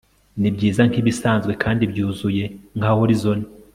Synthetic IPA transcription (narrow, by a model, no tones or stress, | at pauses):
nibɟiːzaŋhiβisaːnzɡwe̞kʰaːndibjuːzuje̞ŋhahoɾizo̞ni